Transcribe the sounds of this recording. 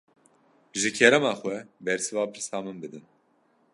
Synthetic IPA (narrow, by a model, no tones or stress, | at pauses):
ʒɨcʰɛɾɛmaxwɛbɛɾsɨvaːpʰɨɾsaːmɨnbɨd̪ɨn